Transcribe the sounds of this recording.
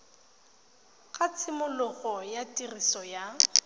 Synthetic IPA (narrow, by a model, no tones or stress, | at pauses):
kʼat͡sʰɪmʊlʊɣɔjatʼirisɔja